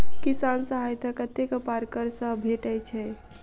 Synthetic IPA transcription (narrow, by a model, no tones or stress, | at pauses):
kisansəɦajt̪əkət̪ekəpaɾkəɾsəbʱeʈəjt͡ʃʰɛ